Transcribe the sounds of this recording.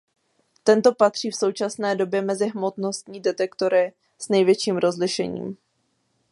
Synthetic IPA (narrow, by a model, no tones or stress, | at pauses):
t̪ɛnt̪o̞pat̪r̝̥iːfso̞wt͡ʃasnɛːdo̞bjɛmɛzɪɦmo̞t̪no̞st̪ɲiːdɛt̪ɛkt̪o̞ɾɪ | snɛjvjɛt͡ʃiːmɾo̞zlɪʃɛ̰ɲḭːm